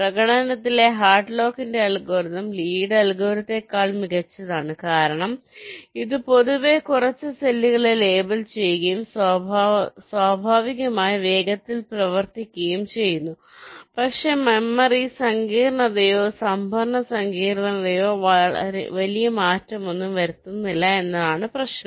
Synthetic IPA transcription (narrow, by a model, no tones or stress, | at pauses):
prɐɡɐɽɐnɐt̪̬ːile̞ɦaːrʈlo̞ːkːinde̞ɐlɡo̞ːɾiðɐmliːɽɐlɡo̞ːɾit̪ːe̞kːaːɭmiɣɐt͡ɕːɐðaːɳɨkaːɾɐɳɐmiðɨpo̞ðuʋe̞kurɐt͡ɕːɨselːiɣɐɭele̞ːbɐlt͡ɕe̞jɣɐjums | swaːbʱaːʋiɣɐmaːjiʋe̞ːɡɐt̪ːilprɐʋɐrt̪ikʲːɐjumt͡ɕe̞jːunːu | pɐkʂe̞memːɐrisɐŋɡiːɾɳɐðɐjoːsɐmbʱɐrɳɐsɐŋɡiːɾɳɐnɐðɐjo̰ː | ʋɐlijɐmaːtːɐmo̞nːumʋɐɾut̪ːunːilːɐe̞nːɐðaːɳɨprɐɕɳɐm